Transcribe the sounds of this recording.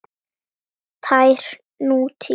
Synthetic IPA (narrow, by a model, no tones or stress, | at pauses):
t̪ʰajɾ̥ | nuːt̪ʰi